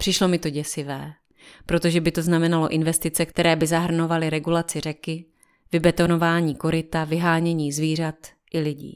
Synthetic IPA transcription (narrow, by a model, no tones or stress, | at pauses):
pr̥ɪʃlo̞mɪt̪o̞ɟɛsɪvɛː | pɾo̞t̪o̞ʒɛbɪt̪o̞znamɛnalo̞ʔɪnvɛst̪ɪt͡sɛkt̪ɛɾɛːbɪzaɦr̩no̞valɪɾɛɡulat͡sɪr̝ɛkɪ | vɪbɛt̪o̞no̞vaːɲiːko̞ɾɪt̪avɪɦaːɲɛɲiːzviːr̝at̪ | ʔɪlɪɟḭː